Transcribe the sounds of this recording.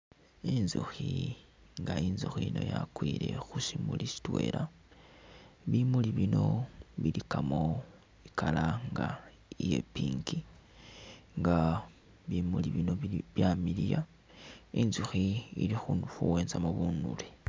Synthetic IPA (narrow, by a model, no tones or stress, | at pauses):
inzuxi | ŋɡainzuxiino̞̰jakwiːɾe̞̰xusimulisi̥twe̞la | βimuliβino̞βilikamo̞ | ikalaŋɡa | ije̞piːŋɡi | ŋɡa | βimuliβinoβjamilija | inzuxiilixunuxuwe̞ːnzamoβuːnule